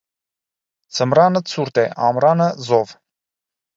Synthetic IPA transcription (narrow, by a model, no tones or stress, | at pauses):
t͡sʰəmɾɑnət͡sʰuɾt̪ɛʔɑmɾɑnəzɔv